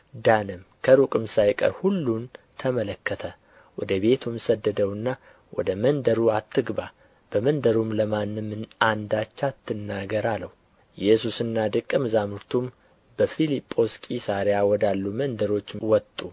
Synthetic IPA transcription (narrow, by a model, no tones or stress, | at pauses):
d̪anɨmkʰəɾukʼɨmsajkʼə̰ɾhulːunt̪ʰəmələkːət̪ʰə | wɔd̪əbe̞t̪ʰumsəd̪ːəd̪əwɨnːa | wɔ̰d̪əmənd̪əɾuat̪ʰːɨɡba | b̥əmənd̪əɾumləmanːɨmːɨnand̪at͡ʃːat̪ʰːɨnːaɡəɾaləhu | jɛsusɨnːad̪ɨkʼːɨmɨzamuɾt̪ʰum | bəfilipʼːo̞skʼisaɾjawɔd̪alːumənd̪əɾo̞t͡ʃːwɔt̪ʼu